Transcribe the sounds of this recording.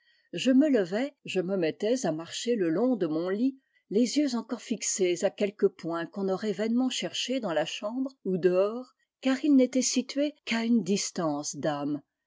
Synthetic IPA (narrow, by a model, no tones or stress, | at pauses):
ʒəmələvɛʒəməmɛt̪ɛzamaʁʃeləlɔ̃d̪əmɔ̃li | lezjøzɑ̃kɔʁfiksezakʲɛlkəpwɛ̃kɔ̃nɔʁɛvɛnmɑ̃ʃɛʁʃed̪ɑ̃laʃɑ̃bʁud̪əɔːʁ | kaʁilnet̪ɛsit̪ɥekaynd̪ist̪ɑ̃sd̪am